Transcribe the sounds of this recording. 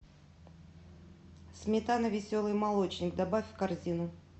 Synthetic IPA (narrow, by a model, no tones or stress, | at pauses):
smʲɪt̪anəvʲɪsʲolˠɨjmɐlˠo̞t͡ɕnʲɪk̚d̪ɐbafʲfkɐrzʲinʊ